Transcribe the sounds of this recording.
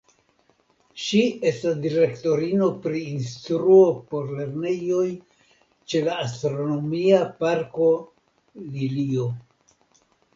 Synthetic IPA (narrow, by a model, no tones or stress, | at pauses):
ʃie̞stasdiɾe̞kto̞ɾino̞pɾiːnst̪ɾuopo̞ɾle̞ɾne̞jo̞j | t͡ʃe̞laːstɾo̞no̞miapaɾko̞ | lilio̞